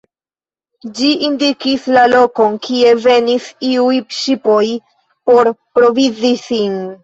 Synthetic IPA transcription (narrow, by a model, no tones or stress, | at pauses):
d͡ʒiʔindikislalo̞ko̞nkʰie̞ve̞nisiujʃipo̞j | po̞ɾpɾo̞vizisin